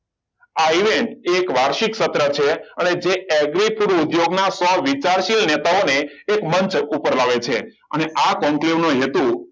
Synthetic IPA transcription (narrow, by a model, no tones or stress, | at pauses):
aiʋeɳʈːkʋaɾʃiksət̪ɾət͡ʃʰeəned͡ʒeɛɡɾipʰuɾud̪joɡnasɔʋit͡ʃaɾʃilnet̪aoneː | kməɲt͡ʃupəɾlaʋet͡ʃʰe | əneʔakɔ̃ŋkleʋnoɦet̪u